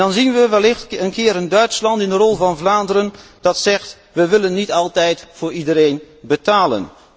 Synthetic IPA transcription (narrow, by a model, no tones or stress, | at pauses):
ɑnzinʋəʋɛlɪxtənkɪːɾəndœɥtslɑntɪndərɔlˠvɑnvlaːndərənd̥ɑtsɛxt | ʋəʋɪlənːitɑlˠtɛjtfʊːɹidəɾejn | bətaːlə̰n